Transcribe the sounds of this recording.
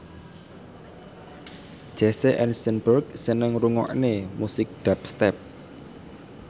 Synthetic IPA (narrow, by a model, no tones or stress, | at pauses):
d͡ʒ̥ɛseʔɛnsənbərksənəŋruŋɔ̰ʔnemusɪk̚d̪̥ap̚st̪ɛp̚